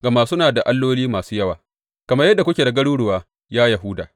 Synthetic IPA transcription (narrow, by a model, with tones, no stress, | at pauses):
ɡɐ˨maː˦sʊ˦naː˨da˨ʔa˦lːoː˦liː˦maː˨suː˦jɐ˦waː˨ | kɐ˨mɐ˦jɐ˦dːa˨kʷʊ˦kʲeː˨da˨ɡɐ˦ɽuː˦ɽʊ˨waː˨ | jaː˦jɐ˨ɦʊː˦da̰ː˨